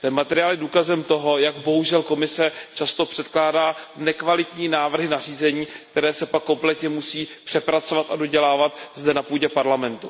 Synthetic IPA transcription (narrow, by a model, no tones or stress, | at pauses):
t̪ɛmat̪ɛɾɪjaːlɪduːkazɛmt̪o̞ɦo̞jaɡbo̞ɦuʒɛlko̞mɪsɛt͡ʃast̪o̞pr̥ɛt̪klaːdaːnɛkvalɪt̪ɲiːnaːvr̩ɦɪnar̝iːzɛɲiːkkt̪ɛɾɛːsɛpakːo̞mplɛt̪ɲɛmusiːpr̥ɛpɾat͡so̞vat̪adoɟɛlaːvat̪zdɛnapuːɟɛpaɾlamɛnt̪u